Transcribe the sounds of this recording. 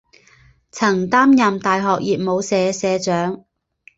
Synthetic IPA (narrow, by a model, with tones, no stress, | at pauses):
t͡sʰɐ˨˩ŋt̪aː˥mjɐ˨mt̪aː˨jɦɔː˨k̚jiː˨p̚mo˨˧wsɛː˨˧sɛː˨˧t͡ʃœː˨˥ŋ